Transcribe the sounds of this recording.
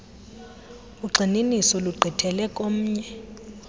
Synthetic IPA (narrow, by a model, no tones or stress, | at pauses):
uɡ͡ǀʱininisɔluɡ͡ǃʱitʰɛlɛkʼom̩ːɲɛ